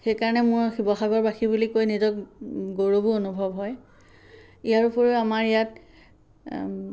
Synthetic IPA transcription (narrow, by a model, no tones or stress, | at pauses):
xejkaɹɔnɛmʊɹxibɔxaɡɔɹbaxibulikojnizɔk̚ɡoɹobuonubʱɔbɦɔj | ijaɹupɔɹeamaɹijat